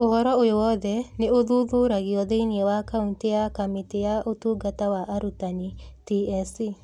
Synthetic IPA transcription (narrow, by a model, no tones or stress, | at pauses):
oɦɔɾɔojowɔd̪ɛneoðuðuɾaɣiɔðeiniewakauŋtejakamitejaʔotuɡatawaʔaɾutanitiɛsi